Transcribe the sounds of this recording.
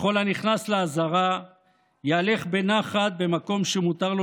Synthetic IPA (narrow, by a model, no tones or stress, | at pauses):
χo̞laniχnasleazaʁa | jaːle̞χbe̞naχat̪̚be̞mako̞mʃemut̪aʁlo